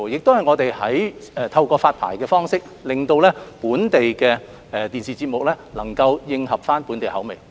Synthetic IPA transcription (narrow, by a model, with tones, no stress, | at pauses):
jɪ˨k̚t̪o˥whɐ˨˩jŋɔː˨˧t̪e˨jhɐ˨˥jɛː˨˧t̪ʰɐ˧wkɔː˧faː˧t̚pʰa̰ː˨˩jkɛː˧fɔː˥ŋsɪ˥k̚ | lɪ˨˩ŋt̪o˧wlɛː˥puː˨˥nt̪e˨jkɛː˧ | ɛː˧t̪iː˨˩nsiː˨t͡si˧t̚mʊ˨k̚lɛː˥lɐ˨˩ŋkɐ˧wjɪ˧ŋhɐ˨p̚faː˥npu˨˥nt̪e˨˩jhɐ˨˥wme˨˩j